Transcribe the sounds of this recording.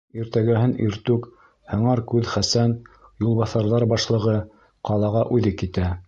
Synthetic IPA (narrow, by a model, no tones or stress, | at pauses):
iɾt̪æɡæhɘniɾt̪ʉk | hɤ̆ɴɑɾkʉðχæsænjulˠβɑθɑɾðɑɾbɑʃlˠɤ̆ʁɤ | qɑlˠɑʁɑʔʉðɘkit̪æ